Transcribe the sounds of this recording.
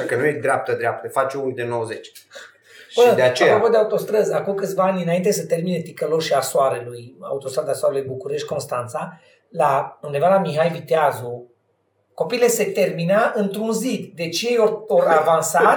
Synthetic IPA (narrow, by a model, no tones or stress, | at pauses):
akənujed̪ɾeap̚t̪əd̪ɾeap̚t̪əfat͡ʃeunid̪enowəzet͡ʃʲ | ʃənəd̪eat͡ʃeapɾopod̪eaut̪o̞st̪ɾəzakumkɨt̪sʲvaanʲɨnaint̪es̬ət̪e̞rminet̪ikəloʃiasoaɾeluja̰ut̪ost̪ɾad̪asoaɾelujbukuɾe̞ʃt̪̚ʲko̞nst̪ant̪sa | laund̪e̞valamiɦajvit̪eazu | ko̞piːle̞se̞t̪e̞rminaʔɨnt̪ɾunzit̪d̪e̞t͡ʃjejooɾavansa